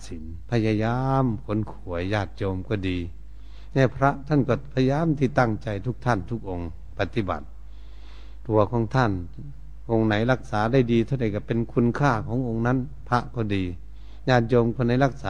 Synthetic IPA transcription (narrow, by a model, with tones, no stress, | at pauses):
si˨˦n | pʰa˧ja˧jaː˧mkʰo˨˦nkʰu˨˩˦əjːaː˧˩t̪̚t͡ɕo˧mkɔː˧˩diː˨˧ | na˧˩pʰɾa˧˥ʔt̪ʰa˧˥˨nkɔː˧˩pʰa˧ja˧jaː˧˥˨mt̪ʰiː˧˩t̪a˧˥˩ŋt͡ɕa˨˧jt̪ʰu˧˩k̚t̪ʰa˧˥˩nt̪ʰu˧˥˩k̚ʔo˧ŋ | pa˧t̪i˧˦ba̰˨˩t̪̚ | u˨˧˩ɐkʰɔː˨˦ŋt̪ʰa˧˥˨n | ʔo˧ŋna˨˦jla˧˩k̚saː˨˦da˧˩˨jdiː˧t̪ʰa˧˩˨da˧˩jka˧˩pe˧˨nkʰu˧˥˨nkʰaː˧˩kʰɔː˨˦ŋʔo˧ŋna˧˥˨n | pʰa˧˥ʔkɔː˧˩diː˨˧ | jaː˧˩t̪̚t͡ɕoː˧mkʰɔ˧˨na˨˦jla˧˩k̚saː˨˧˦